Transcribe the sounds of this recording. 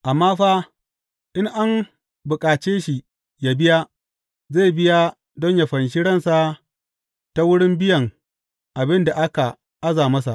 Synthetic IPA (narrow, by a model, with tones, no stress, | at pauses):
ʔa˨mːaː˦ɸaː˦ | ʔɪ˦ŋʔa˦m | bʊ˨kʼaː˨t͡ʃeː˦ʃi˨ | ja˨bɪ˦ja˦ | zeː˦˨bɪ˦ja˦ | dɔ˦ɲja˨ɸɐ˨nʃ̬i˦ɽɐ˦nsa˦ | ta˦wʊ˦ɽɪ˦mbɪ˦jɐ˨ŋ | ʔa˨bɪ˦nda˨ʔa˦ka˨ | ʔa˦zaː˨mɐ˦s̬a˨ʔ